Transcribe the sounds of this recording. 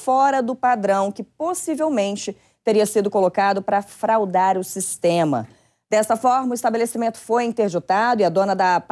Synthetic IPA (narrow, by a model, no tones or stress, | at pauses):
fɔɾɐd̪ʊpad̪ɾɐ̃w̃kɪposivewmẽnt͡ʃɪ | t̪eɾiɐsid̪ʊkolokad̪ʊpɾɐfɾawd̪aɾʊsist̪ẽmɐ̰ | d̪̥ɛst̪ɐfɔɾmɐʊist̪abelesimẽnt̪ʊ̥fojẽt̪eɾd͡ʒit̪ad̪ʊiɐd̪õnɐd̪ɐp